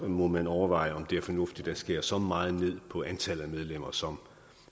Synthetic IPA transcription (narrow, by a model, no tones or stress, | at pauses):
mɒ̽mænɒʊɐʋɑ̈ɪəɒ̽md̥e̝æɐfɒ̽nɔ̽fd̥id̥ɑ̈sɡ̥e̝ɐ̰sɒ̽mɑ̈ːð̩ˠne̝ð̞̰ˠpʰɒ̽ænt͡sʰæl̰ð̩ˠæmeð̞ˠlem̰ɐsɒ̽m